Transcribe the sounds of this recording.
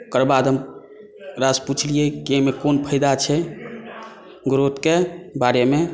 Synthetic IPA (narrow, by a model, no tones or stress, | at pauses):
kəɾbad̪ɦəm | ɾasput͡ʃʰliekiemekonpʰəɪd̪at͡ʃʰɛ | ɡɾot̪kebaɾeme